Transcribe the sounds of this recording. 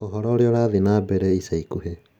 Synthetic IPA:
ɔɦɔɾɔɾeoɾaðinabɛɾɛisaikuɦe

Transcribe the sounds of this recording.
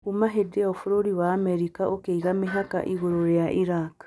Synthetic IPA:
umaɦedeaofuɾoɾiwaːmɛɾikaʔokeiɣameɦaka̰ʔiɣoɾoɾejaʔiɾak

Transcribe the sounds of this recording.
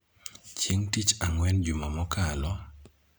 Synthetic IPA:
t͡ʃjeŋtit͡ʃaŋwɛnd͡ʒumamɔkalɔ

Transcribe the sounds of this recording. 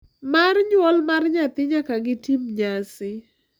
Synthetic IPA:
marɲwɔlmarɲat̪ɪɲakaɡɪtimɲasɪ

